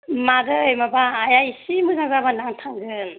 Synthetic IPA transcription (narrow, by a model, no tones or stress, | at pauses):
madɯjmabaːjajsimɯzaŋzabanaŋtʰaŋɡɯn